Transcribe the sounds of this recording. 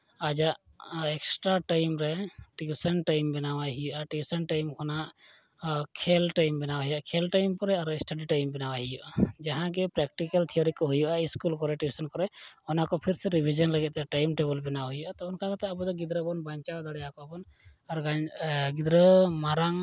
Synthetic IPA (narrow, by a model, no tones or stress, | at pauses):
ad͡ʒaʔ | ɛksʈɾaʈajmɾɛʈiusənʈajmbɛnawaɦijuʔaʈiusənʈajmkʰɔnaʔ | kʰɛlʈajmbɛnawaɦijaʔkʰɛlʈajmpɔɾɛaɾɛsʈaɖiʈajmbɛnawaɦijuʔad͡ʒaɦãɡɛpɾɛk̚ʈikalt̪ʰiɔɾikɔɦujuʔaiskulkɔɾɛʈibusɔnkɔɾɛɔnakɔpʰiɾsɛɾibʱid͡ʒɔnləɡɛt̪ɛʈajmʈebɔlbɛnaɦujuʔat̪ɔɔnkalat̪ɛabɔd̪ɔɡid̪ɾəbɔnbaɲt͡ʃawd̪aɽɛjakɔbɔn | aɾɡaɡid̪ɾəmaɾaŋ